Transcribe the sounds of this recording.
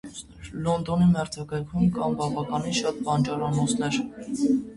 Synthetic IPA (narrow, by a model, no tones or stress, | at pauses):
lɔnd̪ɔnimɛɾd͡zɑkɑjkʰumkʰɑmbɑvɑkɑninʃɑt̪̚bɑnt͡ʃɑɾɑnɔt͡sʰnɛɾ